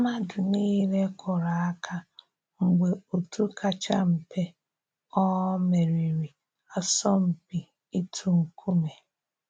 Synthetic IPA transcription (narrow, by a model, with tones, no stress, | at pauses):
ma˦dʊ˨niː˦le˦kʰɔ˨ɾa˨a˦kʰa˦ | ŋ̩˨ɡ͡be˨o˨tʰu˦kʰa˨t͡ʃa̰˦m̩˨pʰe˦ | ɔ˦me˨ɾi˨ɾi˨ | a˨sɔ˦m̩˨pi˨ | i˦tʰu˦ŋ̩˨kʰu˦me˨